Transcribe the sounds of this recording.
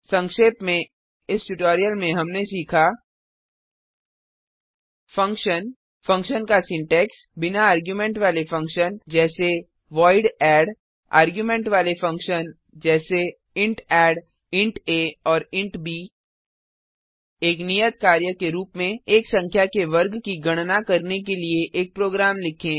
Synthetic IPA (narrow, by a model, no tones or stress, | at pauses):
sɐ̃ŋkʃeːpmẽ | ɪsʈʊʈoːɾijəlmẽɦɐmnesiːkʰa | fɐ̃ŋkʃən | fɐ̃ŋkʃənkasɪ̃ɳʈɛːks | bɪnaaːɾɡjumẽːɳʈʋaːlefɐ̃ŋkʃənd͡ʒɛːse | ʋɔːɪɖɛːɖ | a̰ːɾɡjuːmẽɳʈʋaːlefɐ̃ŋkʃən | d͡ʒɛːse | ɪ̃ɳʈɛːɽ | ɪ̃ɳʈeɔːɾɪ̃ɳʈbiː | eːknijət̪̚kaːɾjəkeɾuːpmẽeːksɐ̃ŋkʰjakeʋɐɾɡkiɡɐɽ̃nakɐɾnekelieʔeːk̚pɾoːɡɾaːmlɪkʰẽː